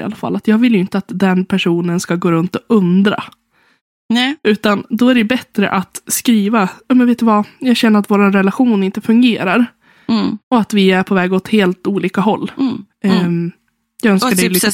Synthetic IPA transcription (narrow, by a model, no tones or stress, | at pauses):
a̰lːafa̰lːat̪jɑːɡvɪljʏɪnt̪əat̪d̪ɛnpʰæʂuːnənskaɡoːɾɵnt̪ɔʔɵnd̪ɾa̰ | ʉ̟ːt̪and̪ɔæɖɛjbɛt̪ɾə̰ʔat̪skɾiːvajɑːmɛnveːt̪ɵvajɑːɡɕɛnːəɾat̪voːɾanɾɛlaɧuːnɪnt̪əfɵŋɡeːɾaɾ | ɔat̪vɪæɾpʰɔvɛːɡɔt̪heːlt̪uːliːkaɦɔlː | jɑːœnskaɖɛ